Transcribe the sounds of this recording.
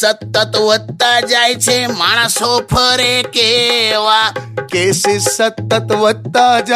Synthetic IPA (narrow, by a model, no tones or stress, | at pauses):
sət̪ːət̪ʋəd̪̚t̪ad͡ʒaːjt͡ʃʰemaːɽ̃asopʰəɾekeʋakeːsesət̪ːət̪ʋəd̪t̪ad͡ʒ